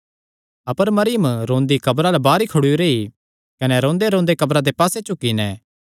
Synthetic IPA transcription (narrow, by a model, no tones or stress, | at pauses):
ɐpəɾmɐɾɪjəmɾõːnd̪ikɐbɾalabaːɾikʰʊɽuɾei | kɐnɛɾõːnd̪eɾõːnd̪ekɐbɾad̪epaːset͡ʃʊkːinɛ̃ː